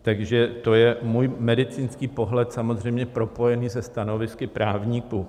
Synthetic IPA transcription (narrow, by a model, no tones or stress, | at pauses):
t̪aɡʒɛt̪o̞jɛmuːjmɛdɪt͡siːnskiːpo̞ɦlɛt̪samo̞zr̝ɛjmɲɛpɾo̞po̞jɛniːzɛst̪ano̞vɪskɪpɾaːvɲikuː